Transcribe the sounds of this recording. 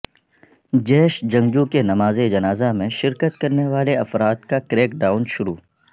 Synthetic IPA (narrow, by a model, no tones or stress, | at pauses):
d͡ʒeːʃd͡ʒɐ̃ŋd͡ʒukenɐmaːzed͡ʒɐnaːzamẽʃɪɾkət̪kɐɾneʋaːleɐfɾaːt̪̚kakɾeːkɖaːʊnʃʊɾṵː